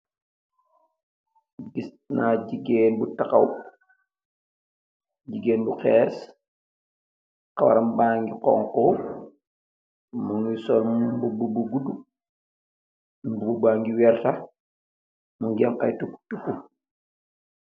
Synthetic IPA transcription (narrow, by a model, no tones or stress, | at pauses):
bis | naɟiɡeːnbutaka̰w | ɟiɡeːnbuxɛːs | kawa̰ɾɐmbaːŋɡiqɔ̰ŋkɔ | muŋisɔlbububuɡudu | bububaŋɡiwɛrta | muŋɡɛma̰jtuktukːu